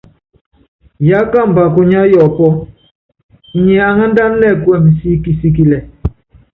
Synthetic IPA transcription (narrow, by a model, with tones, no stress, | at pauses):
ja˨˦ka˦˨m̩˨ba˨ko˨ɲa˦jɔ˨pɔ˦˨ | ɲɛ˨a˨ŋa˦n̩˦da˦n˦lɛ˦˨kwɛ˦˨m˨si˦ki˨si˦k̬i˦lɛ˨